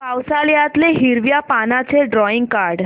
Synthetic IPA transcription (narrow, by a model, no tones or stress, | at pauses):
pawsaljat̪leɦiɾʋjapanat͡seɖɾɔiŋɡ̚kaɾɽ